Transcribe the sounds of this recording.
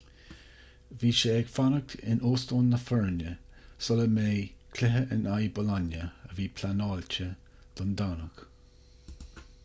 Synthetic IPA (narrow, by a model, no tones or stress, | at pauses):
viːʃeɛɡ̥fanək̚t̪ʰɪnoːstoːnːəfɛɹnjə | sɔləmeːkʰlɪɦəʔɪnajbɔlɔnjəəviːpʰlanɑːlt͡ʃə | d̪̥ɔnd̪anək